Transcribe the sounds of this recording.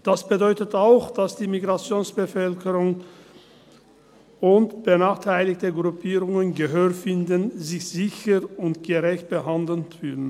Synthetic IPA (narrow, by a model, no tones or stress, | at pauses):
d̥asb̥ədɔʏtətaʊxd̥asd̥iːmiɡʁat͡sjoːnsb̥əfœlkəʁʊŋ | ʊntb̥ənaːχtʰaɪlɪktəɡʁupʰiːʁʊŋənɡəɦøːʁfɪndənzɪçz̥ɪçəʁʊntɡ̥əʁɛçt̚b̥əɦandl̩tfyːdn̩